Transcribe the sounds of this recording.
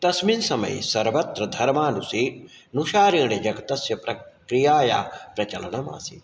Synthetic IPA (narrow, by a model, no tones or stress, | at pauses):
t̪ɐsminsɐmɐ̰jsɐɾʋɐt̪ɾɐd̪ʱɐɾmaːnusiː | nuʃaːɾiːɳed͡ʒɐɡɐt̪ɐsjɐpɾɐkɾijaːja̰ːpɾɐt͡ʃɐlɐnɐma̰ːsi